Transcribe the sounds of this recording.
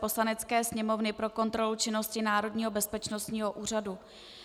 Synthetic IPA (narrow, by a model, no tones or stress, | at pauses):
po̞slanɛt͡skɛːsɲɛmo̞vnɪpɾo̞ko̞nt̪ɾo̞lut͡ʃɪno̞scɪnaːɾo̞dɲiːɦo̞bɛspɛt͡ʃno̞st̪ɲiːɦo̞ʔuːr̝adu